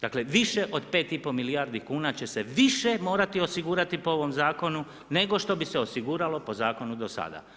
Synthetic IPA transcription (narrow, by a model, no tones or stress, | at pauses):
d̪akle̞ʋiʃe̞ʔo̞d̪pe̞ːt̪ipo̞miliaːɾd̪ikuːnat͡ɕe̞seʋiʃe̞mo̞ːɾat̪io̞siɡuːɾat̪ipoo̞ʋo̞mzaːko̞nu | ne̞ɡo̞ʃt̪o̞biseo̞siɡuːɾalo̞po̞zaːko̞nud̪osa̰d̪a̰